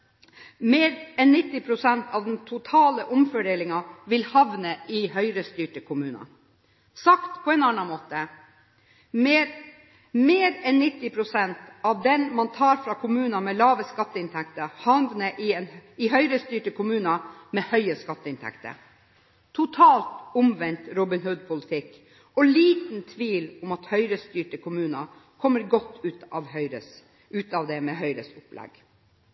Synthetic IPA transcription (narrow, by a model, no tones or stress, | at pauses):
meːɾɛnnɪt̪ːɪpʰɾʊsɛnt̪ɑʋd̪nt̪ʰʊt̪ʰɑːləʔʊmfœɖeːlɪŋɑʋɪlhɑʋnəʔɪɦœʏɾəst̪yːʈəkʰʊmʉːnɑ̰ | sɑkt̪pʰɔɛnɑnːɑmoːt̪ə | meːɾɛnnɪt̪ːɪpʰɾʊsɛnt̪ɑʋd̪ɛnmɑnt̪ʰɑːɾfɾɑkʰʊmʉːnɑmɛlɑːʋəskɑt̪ːəɪnt̪ʰɛk̚t̪əhɑnʋ̪nəʔɪɛnɪɦœʏɾəst̪yːʈəkʰʊmʉːnɑmɛhœʏəskɑt̪ːəɪnt̪ʰɛ̰kt̪ə̰ | t̪ʰʊt̪ʰɑːlt̪ʊmʋɛnt̪ɾɔbɪnhʉd̪̚pʰʊlət̪ʰɪkː | ɔliːt̪nt̪ʰʋiːlʊmɑt̪hœʏɾəst̪yːʈəkʰʊmʉːnɑ | kʰɔmːəɾɡɔt̪ːʉːt̪ɑʋhœʏɾə | ʉːt̪ɑʋd̪ɛmɛɦœʏɾəsʊplɛ̰ɡ̥